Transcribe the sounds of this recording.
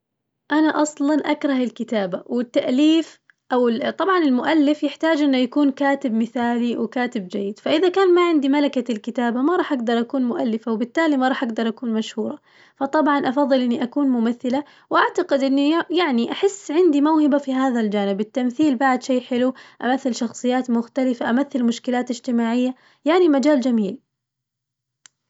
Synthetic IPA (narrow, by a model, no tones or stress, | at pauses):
ʔanaʔɑsˤlɑnʔakɾˤɑhɪlkɪt̪aːbawɪt̪ːaʔliːf | ʔawɪt̪ˤɑbʕɑnɪlmʊʔalːɪfjɪħt̪aːd͡ʒʔɪnːʊjakuːnkaːt̪ɪbmɪθaːliwɪkaːt̪ɪbd͡ʒajːɪd̪̥faʔɪðakaːnmaʕɪnd̪imalakalkɪt̪aːbamaɾˤɑːħʔaɡd̪ɑɾˤʔakuːnmʊʔalːɪfawbɪt̪ːaːlimaɾˤɑːħʔaɡd̪ɑɾˤʔakuːnmaʃhuːɾˤɑ | fɑt̪ˤɑbʕɑnʔɑfɑðˤːɨlʔɪnːiʔakuːnmʊmaθːɪla | wʔaʕt̪aqɪd̪ʔɪnːijaʕniʔaħɪsːʕɪnd̪imawhɪbafiɦaːðald͡ʒaːnɪbɪt̪ːamθiːlbaʕd̪ʃejːħɪluʔamaθːɪlʃɑxsˤɨjːaːt̪mʊxt̪alɪfaʔamaθːɪlmʊʃkɪlaːt̪ɪd͡ʒt̪ɪmaːʕɪjːa | jaʕnimad͡ʒaːld͡ʒamiːl